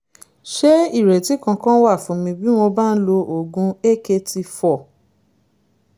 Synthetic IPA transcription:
ʃe˦i˦˨ɾɛ˨ti˨˦kã˧kã˦wa˦˨fũ˨˦mĩ˧bi˦w̃ɔ̃˧ba˦n̩˦lo˧ʔo˨ɡũ˧˦e˦ke˧ti˧fɔ˦˨

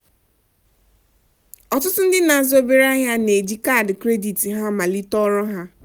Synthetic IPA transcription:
ɔ˨tʊ˦tʊ˦n̩˦dɪ˦na˨zo˦be˦ɾa˦ɲa˦ne˨d͡ʒi˦ka˦˨dkɾe˦di˨ti˨ɦa˦ma˨li˦tɔ˦ɾɔ˦ɦa˦

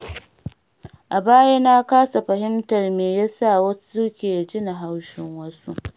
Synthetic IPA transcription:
ʔa˨baː˦ja˦na˦kaː˦sa˨ɸɐ˨hɪ˦mtɐ˨rmeː˨ja˦sa˦˨wɐ˦su˦kʲeː˨d͡ʒɪ˦na˨ɦa˦wʃɪ˦ŋwɐ˦su˦ʔ

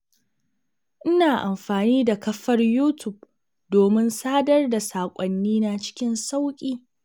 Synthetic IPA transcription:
ʔɪ˦naː˨ʔa˨mɸaː˨niː˦da˨kɐ˦ɸɐ˦rjuː˦tʊ˨b̚ | doː˨mɪ˦nsaː˦dɐ˦rda˨saː˨kʷʼɔ˨nːiː˦na˨t͡ʃɪ̥˦kʲɪ˦nsa˦wkʲʼiː˦

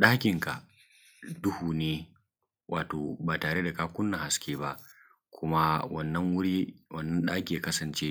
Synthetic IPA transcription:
ɗaː˦kʲɪ˨ŋka˨ʔ | dʊ˦huː˨neː˦ | wʔaː˨toː˨baː˨taː˨ɽe˦da˨kaː˦kʷʊ˦nːɐ˨ha˨skʲeː˦ba˦ʔ | kʷʰʊ˦ma˦wɐ̰˦nːɐ˦ŋwʊ˦ɽiː˦wɐ˨nːɐ˦nɗaː˦kʲiː˨kɐ˦sɐ˨nt͡ʃeː˦

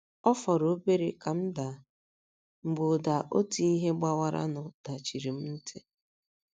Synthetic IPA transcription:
ɔ˦fɔ˨ɾo˨˦be˦ɾe˨ka˨m̩˦da˨ | ŋ͡m̩˨ɡ͡bo˨da˨ʔo̰˦ti˦i˦ɦe˦ɡ͡ba˦wa˦ɾa̰˦nʊ˨d̥a˨t͡ʃi˨ɾi˨m̩˦n̩˦tʰe˦

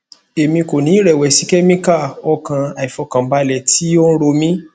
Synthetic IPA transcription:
e˨mĩ˧ko˨nĩ˨˦ɾɛ˨wɛ˨si˨˦kɛ˦mĩ˦ka˦˨ɔ˧kã˧a˨i˨fɔ˧kã˨˦ba˧lɛ˨ti˦o˦n̩˦ɾo˧mĩ˦

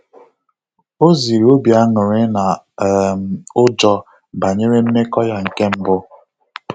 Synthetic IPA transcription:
o˦zi˨ɾo˦bja˦ŋʊ˨ɾɪ˦na˨ | m˨ʊ˦d͡ʒɔ˦ | ba˨ɲe˦ɾe˦m̩˦me˦kɔ˦ja˨ŋ̩˨ke˦m̩˦bʊ˦

